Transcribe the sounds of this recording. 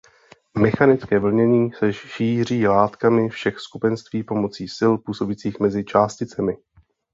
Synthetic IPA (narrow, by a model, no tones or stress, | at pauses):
mɛxanɪt͡skɛːvl̩ɲɛɲiːsɛʃiːr̝iːlaːt̪kamɪfʃɛxskupɛnst̪viːpo̞mo̞t͡siːsɪlpuːso̞bit͡siːxmɛzɪt͡ʃaːscɪt͡sɛmɪ